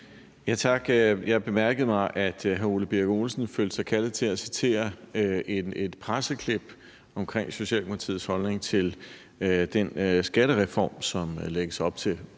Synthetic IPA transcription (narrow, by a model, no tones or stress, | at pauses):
jæt͡sʰɑ̈ɡ̥jɑ̈ɪb̥e̝mæɐɡ̥əð̞̩ˠmɑ̈ɪʔæd̥ɦæoləb̥iɐɡ̥o̝lsn̩føld̥sɑ̈ɪkʰælð̩ˠt͡sʰe̝æsit͡sʰe̝̰ːɐee̝d̥pʰʁasəkʰle̝b̥ | ɒ̽mkʰʁeŋ̰so̝ɕiɛ̰ːlkʰolt͡sʰḭð̰̩ˠshɒ̽lne̝ŋt͡sʰe̝l | d̥ensɡ̥æɾ̥əʁɛfɒ̰ːmsɒ̽mleɡ̥əsɒ̽b̥t͡sʰe̝l